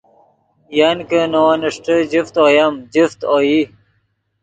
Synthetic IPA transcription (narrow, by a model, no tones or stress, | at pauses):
jankənowanəʂʈəd͡ʑift̪oːjamd͡ʑift̪oji